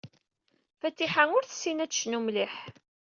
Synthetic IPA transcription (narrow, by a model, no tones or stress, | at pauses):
fæt̪ːiħanʊɾθə̥sːinæ̥ʃnumliħ